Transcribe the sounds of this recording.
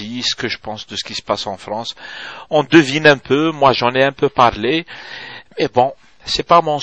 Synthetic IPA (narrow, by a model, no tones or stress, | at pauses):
isə̥kəʒəpɑ̃sd̪əsə̥kʲisə̥pasɑ̃fʁɑ̃sɔ̃d̪əvinɛ̃pʰømwaʒɑ̃nɛɛ̃pøpaʁle | mɛbɔ̃ | sɛpamɔ̃